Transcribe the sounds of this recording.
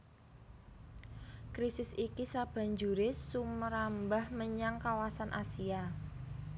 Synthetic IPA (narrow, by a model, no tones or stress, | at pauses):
kɾisɪsikisab̥a̤ɲd͡ʒuɾɪsuməɾambahməɲaŋkawasanʔasia